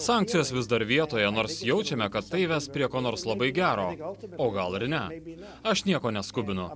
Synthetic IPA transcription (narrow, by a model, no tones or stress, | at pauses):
sɑˑŋk̪̚sʲɪjoːsʋʲɪzd̪ɐɾʋʲiɛt̪oːjɛnoːɾsjɛʊt͡ʃʲɛmʲɛkɐt̪ːɐɪʋʲɛspʲɾʲiɛkoːnoːɾslˠɐbɐɪɡʲæːɾoːoːɡɐlˠɪɾnʲɛ | ɐʃnʲiɛkoːnʲɛskʊbʲɪnʊ